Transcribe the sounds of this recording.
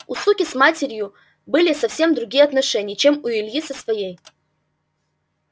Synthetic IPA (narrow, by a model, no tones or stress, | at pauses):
usukʲismatʲʰerʲju | bɨlʲɪsafsʲe̞md̪ɾuɡʲijɛatnaʂɛnʲɪjt͡ʃʰe̞mujilʲjisɐsvaje̞j